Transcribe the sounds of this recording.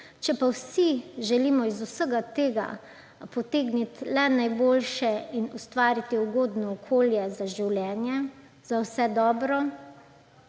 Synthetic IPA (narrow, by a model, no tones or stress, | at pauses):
t͡ʃɛpawsiʒɛliːmɔizusəɡat̪eːɡa̰ | pɔt̪eːɡnit̪lɛnajboːlʃɛinust̪ʋaːɾit̪iɔɡoːd̪nɔɔkʰoːljɛzaʒiwljɛːnjɛ | zawsɛd̪ɔːbɾɔ